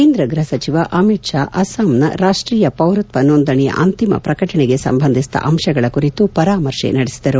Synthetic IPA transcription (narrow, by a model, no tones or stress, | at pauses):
keːnd̪ɾɐɡɾɐɐsɐt͡ʃiʋɐʔɐmiʈʂaːʔɐsaːmnɐ̰ɾaːʂʈɾiːjɐpɐwɾut̪ʋɐnoːnd̪ɐɳɛjɐ̰ʔɐnt̪imɐ̰pɾɐkɐʈɐɳeɡe̞sɐ̰mbʱɐnd̪ʱist̪ɐ̰ʔɐmʂɐɡɐɭɐkuɾit̪upɐɾaːmɐɾʂḛnɐɽesid̪ɐɾu